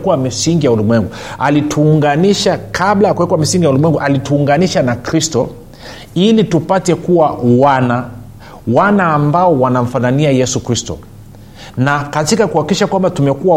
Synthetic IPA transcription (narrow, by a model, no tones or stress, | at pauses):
kuwamisiŋɡijaulimwɛŋɡualitʰuːŋɡaniʃakablajakuwɛkwamisiŋɡijaulimwɛŋɡuʔalituːŋɡaniʃanakɾistɔ̰ | ilitupatɛkuwawana | wanaːmbaɔwanam̩fananiajɛsukɾistɔ̰ | nakatikakuhakiʃakwambatumɛkua